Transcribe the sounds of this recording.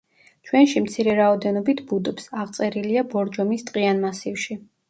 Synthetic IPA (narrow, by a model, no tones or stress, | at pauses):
t͡ʃʰwɛnʃimt̪sʰiɾɛɾaɔd̪ɛnɔbit̪ʰbud̪ɔpsaʁt̪sʼɛɾiliabɔɾd͡ʒɔmist̪ʼqʼianmasifʃi